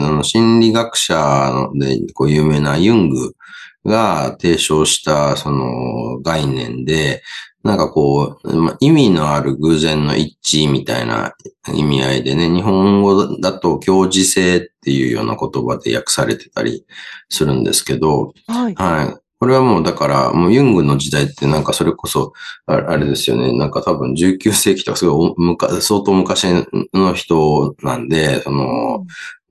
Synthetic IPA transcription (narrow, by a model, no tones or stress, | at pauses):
sono̞ɕĩnɾʲiɡakɯ̟̥ɕand̪e̞̰ko̞ːjɯ̟ːme̞ːnajɯ̟̃ŋɡɯ̟ɡat̪e̞ːɕo̞ːɕi̥t̪aso̞no̞̰ɡainẽ̞̰nd̪e̞nãŋkako̞ːma̰ʔimʲino̞aɾɯ̟ɡɯːzẽ̞nːo̞̰ʔit͡ɕimʲit̪a̰ḭna̰ḭmʲiaid̪e̞ne̞ɲ̟iɦõ̞ŋɡo̞d̪at̪o̞kʲo̞ːʑise̞ːt̪ːe̞jɯ̟ːjo̞̰ːnako̞t̪o̞bad̪e̞̰ja̰kɯ̟̥saɾe̞̰t̪e̞̥t̪a̰ɾʲḭsɨɾɯ̟̃nd̪e̞̰sɨ̥ke̞d̪o̞haiko̞ɾe̞β̞amo̞ːd̪akaɾa̰moːjɯ̟̃ŋɡɯ̟no̞d͡ʑid̪ait̪ːe̞nãŋkaso̞ɾe̞ko̞so̞aɾe̞d̪e̞sɨjo̞̰ne̞̰nãŋkat̪abɯ̟̃ɲ̟d͡ʑɨːkʲɨːse̞ːkʲi̥t̪o̞kḁsɨɡo̞iomɯ̟kasoːt̪o̞ːmɯ̟kaɕino̞çi̥t̪o̞nãnd̪e̞so̞no̞